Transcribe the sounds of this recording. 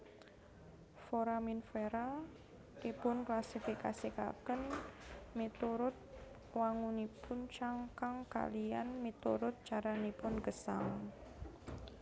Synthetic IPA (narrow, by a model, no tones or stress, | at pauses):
foɾaminfeɾa | tipʊnklasifika̰sika̰kən | mit̪uɾʊt̪̚ | waŋunipʰʊnt͡ʃaŋkaŋka̰lija̰nmit̪uɾʊt̪̚t͡ʃaɾanipʊnɡəsa̰ŋ